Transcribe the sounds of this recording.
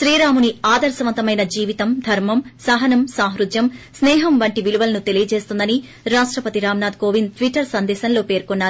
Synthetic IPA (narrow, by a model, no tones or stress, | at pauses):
ʃɾiːɾaːmuniaːd̪ɐɾsɐʋɐnt̪ɐmɐjnɐd͡ʒiːʋit̪ɐmd̪ʱɐɾmɐmsɐɦɐnɐmsaːɦɾud̪jɐmsnɛːɦɐmʋɐɳʈiʋiluʋɐlɐnut̪e̞lijɐd͡ʒe̞ːst̪und̪ɐni | ɾaːʂʈɾɐpɐt̪iɾaːmnaːd̪koːʋint̪ʋiʈːɐɾsɐnd̪ɛːsɐnlo̞ːpe̞ːɾkonːaːɾ